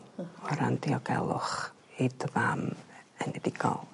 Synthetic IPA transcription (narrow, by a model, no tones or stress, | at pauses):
ɔɾandiɔɡɛ̰lˠʊ̰χ | idvamɛnɛdɪɡɔ̰lˠ